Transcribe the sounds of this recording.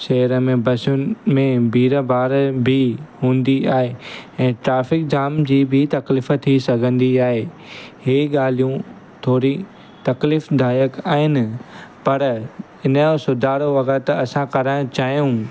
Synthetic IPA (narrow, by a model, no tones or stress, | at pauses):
ʃɐɦəɾəmẽbɐsʊnmẽbʱiːɾəbaːɾbʱɪɦũːn̆d̪iaːɦeɛ̃ːʈɾaːfɪk̚d͡ʑaːmd͡ʑiːbʱɪt̪ɐklifə̆t̪ʰːisɐɡʱə̃nd̪iaːɦeː | heːɠaːl̤ijũ | t̪ʰoːɾi | t̪ɐkliːfd̪ʱaːjəkaːɦɪnɪ̆pɐɾ | ɪnəosʊd̪ʱaːɾoʋɐɡət̪ɐsãkɐɾãt͡ɕaːɦijũ